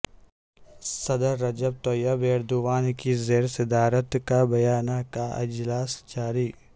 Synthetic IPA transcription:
sɐd̪əɾːɐd͡ʒəb̚t̪oːjabeːɾd̪uʋaːnkizeːɾsɪd̪aːɾət̪kabɐjaːnakaɪd͡ʒlaːsd͡ʒaːɾiː

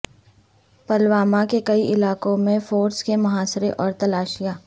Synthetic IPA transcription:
pɐlwaːmakekɐiʔɪlaːkõmẽfoːɾskemɐɦaːsɾeʔɔːɾt̪ɐlaːʃija

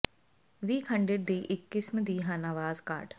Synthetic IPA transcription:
ʋiːkʰɐ̃ɳɖeʈ̚d̪iːʔɪkːɪsmd̪iːɦãnaʋaːzka̰ːɾʈ

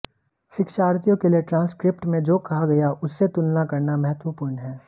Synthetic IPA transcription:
ʃɪkʃaːɾt̪ijõkelieʈɾãːnskɾɪpʈmẽd͡ʒoːkɐɦaɡɐjaʔʊsːet̪ʊlnakɐɾnamɛɦət̪ʋəpʊːɾɳɦɛː

